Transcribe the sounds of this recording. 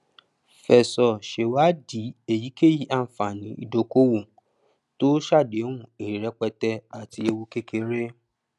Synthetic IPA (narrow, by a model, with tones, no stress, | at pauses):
fɛ˨sɔ˨ʃe˨wa˦di˨˦e˦˨ji˨˦ke˦˨ji˦ʔa˧˨fa˨nĩ˨˦ḭ˧do˧ko˦wũ˨ | to˦ʃa˦˨de˨˦wũ˦˨e˨i˨ɾɛ˧˦k͡pɛ˧tɛ˧a˨ti˧e˧wu˧ke˦ke˧˦ɾe˦